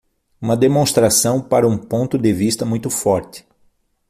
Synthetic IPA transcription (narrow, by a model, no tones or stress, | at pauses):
ũmɐd̪emõst̪ɾasɐ̃w̃paɾɐũpõnt̪ʊd̪ɪvist̪ɐmũj̃t̪ʊfɔɾt̪ɪ̥